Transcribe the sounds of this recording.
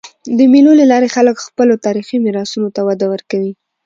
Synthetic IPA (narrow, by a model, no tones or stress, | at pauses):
d̪əmiloləlɑɾexaləkxpəlot̪ɑɾiximiɾɑsunot̪awad̪awəɾkawi